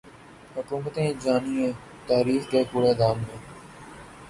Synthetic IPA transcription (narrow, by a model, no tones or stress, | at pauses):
hʊkuːmət̪ẽːd͡ʒaːniːẽː | t̪aːɾiːfd̪eːkuːɽeːd̪aːmːẽː